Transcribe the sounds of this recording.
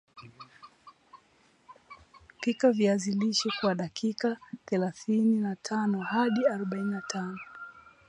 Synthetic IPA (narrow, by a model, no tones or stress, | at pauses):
kikaviaziliʃɛkwaɗakʰikaθɛlaθininatʰanɔhaɗiaɾɔɓaininatʰanɔ